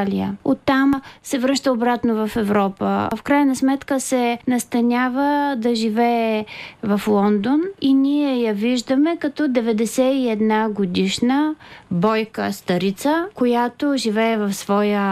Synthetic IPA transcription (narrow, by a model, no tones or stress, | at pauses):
lʲiəot̪ːamsɛvɾɤʃt̪əobɾat̪novɐfɛvɾɔpə̰fkɾajnɐsmɛt̪kəsɛnɐst̪ɐnʲavəd̪ɐʒivɛːvɐflˠɔnd̪oninʲiɛjɐviʒd̪əmɛkɐt̪ɔd̪ɛvɛd̪ɛsɛiɛd̪naɡod̪iʃnəbɔjkə̰st̪ɐɾit̪səkojat̪oʒivɛːvɐfsvɔjə